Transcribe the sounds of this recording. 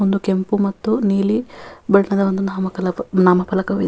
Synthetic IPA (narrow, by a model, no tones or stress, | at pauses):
ond̪ukempumɐt̪ːuniːlibɐɭɐnɐd̪ɐond̪unaːmɐkɐlɐnaːmɐpɐlɐkɐʋḭ